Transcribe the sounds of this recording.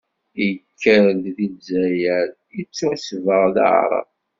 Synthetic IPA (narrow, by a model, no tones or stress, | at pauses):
ikʰːəɾd̪ðizæjæɾ | it͡sːusvəʁða̰ʕ̰ɾˤə̰v